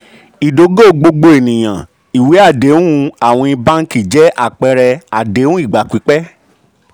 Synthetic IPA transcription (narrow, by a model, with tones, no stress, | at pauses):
i˨do˨˦ɡo˦˨ɡ͡bo˧ɡ͡bo˧˦e˨nĩ˨j̃ã̰˨ | i˨we˨˦a˦˨de˨˦ũ˦ũ˧a˨w̃ɔ̃˧i˧ba˦n̩˦ki˦˨d͡ʒɛ˦ʔa˦˨k͡pɛ˧ɾɛ˧a˨de˨˦ũ˦i˦˨ɡ͡ba˨ki˨˦k͡pɛ˦